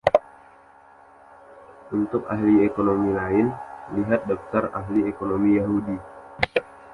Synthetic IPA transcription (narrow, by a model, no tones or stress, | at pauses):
ʔunt̪ʊkahliekonomilaɪnliɦat̪̚dɔk̚t̪araɦliekonomijaɦudi